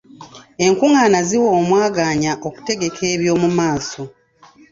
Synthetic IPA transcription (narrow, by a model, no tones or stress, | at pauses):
e̞ŋkuŋaːnaziwo̞ːmwaːɡaːɲaʔo̞ku̥te̞ɡe̞kʰe̞ːβjo̞ːmumaːso̞